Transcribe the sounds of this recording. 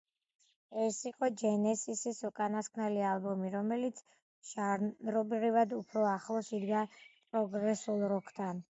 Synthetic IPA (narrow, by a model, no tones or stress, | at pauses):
ɛsiqʼɔd͡ʒɛnɛsisisukʼanaskʰnɛlialˠbɔmiɾɔmɛlit̪sʰ | ʃaɾɾɔbɾivad̪upʰɾɔaχlˠɔsid̪ɡapʼɾɔɡɾɛsulˠɾɔkʰʼt̪ʰan